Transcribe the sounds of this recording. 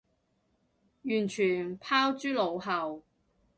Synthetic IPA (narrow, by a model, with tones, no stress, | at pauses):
jyː˨˩nt͡ʃʰyː˨˩npʰaː˥wt͡ʃyː˥lo˨˧wɦɐ˨w